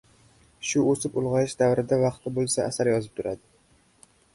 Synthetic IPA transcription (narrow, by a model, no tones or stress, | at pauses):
ʃʊosɪpʊlˠʁɑjɪʃd̪avɾɪd̪avɑqt̪ʰɪbolˠsaʔːsaɾjɒzɪp̚t̪ʰʊɾad̪ɪ